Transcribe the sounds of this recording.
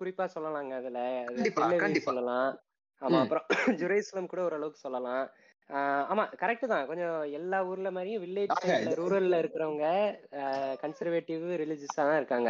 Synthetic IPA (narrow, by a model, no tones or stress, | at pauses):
kʊɾɪpːaːsɔlːɐlãːŋɡɐɐðɪlɐɐðɐɪɛalːɐʋɐisɔlːɐlãː | aːmaːɐpːɯɾɔ̃d͡ʒʊɾɐɪsɐlɐmkuːɽɐɔɾɯɐɭɐʋɯkːɯ̥sɔlːɐlãː | aːmaːkɐɾɛk̚ʈːɯt̪ãːkɔɲd͡ʒɔ̃ɛlːaːuːɾɪlɐmaːd̪ɾɪjʊ̃ʋɪlːeːd͡ʒɐlːɐɾuːɾɐlɪlɐɪɾɯkːɪɾɐʋɐŋɡɐ | kɐɳsɐɾʋeːʈːɪʋɾɪlɪd͡ʒɪsaːt̪ãːɪɾɯkːaːŋɡɐ